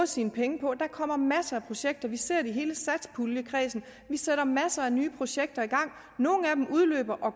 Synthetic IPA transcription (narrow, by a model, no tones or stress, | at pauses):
siːnəpʰeŋəpʰɒ̽d̥ɑ̈kʰɒ̽m̰ɐmæsəæpʰʁo̝ɕeɡ̥̚d̥ɐʋise̝ɐ̰diɦe̝ːləsæd̥spʰuljəkʰʁɛːsn̩ | ʋiseɾ̥ɐmæsəænyːpʰʁo̝ɕeɡ̥̚d̥ɐiɡ̥ɑ̈ŋ̰ | no̝ːn̩æd̥emʔuðˠlø̰ːb̥ɐʔɒ̽